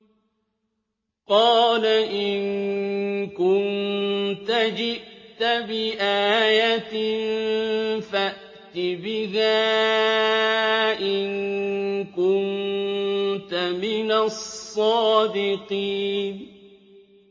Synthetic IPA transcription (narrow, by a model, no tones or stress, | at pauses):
qɑːlaʔɪn | kʊnt̪ad͡ʒɪʔt̪abɪʔaːjat̪ɪn | faʔ | t̪ɪbɪhaː | ʔɪn | kʊn | t̪amɪnasˤːɑːd̪ɪqiːn